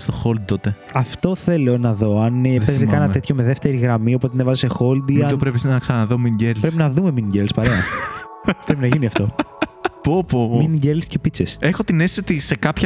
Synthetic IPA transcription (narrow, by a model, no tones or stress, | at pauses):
st̪oxold̪̚t̪o̞t̪e | ɐft̪o̞θe̞lonɐðo̞ɐneezekɐnɐt̪e̞t̪ço̞me̞ðeft̪e̞ɾiɣɾɐmio̞pot̪enevɐzisexold̪iɐt̪onpɾepisɐksɐnɐðominɟelpɾepinɐðume̞miniɟelspɐɾeɐ | pɾep̬inɐʝiniɐft̪o̞ | popomminiɟelsce̞pit͡sesexo̞t̪inessiot̪ise̞kɐpçɐ